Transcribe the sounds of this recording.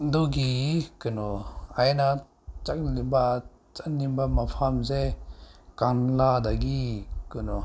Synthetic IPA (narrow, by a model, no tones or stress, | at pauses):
d̪uɡikɯnɔajna | t͡ʃak̚liba | t͡ʃanimbamapʰamzɛ | kanlad̪aɡikɯnɔ